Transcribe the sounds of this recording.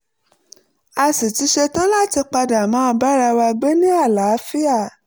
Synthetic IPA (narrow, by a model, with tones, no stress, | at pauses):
a˧si˨ti˨˧˦ʃe˧to˦la˦ti˧k͡pa˧da˨mã˨˦˧ba˦ɾa˧wa˧ɡ͡be˦nĩ˦a˦˨la˨˦fi˦a˦˨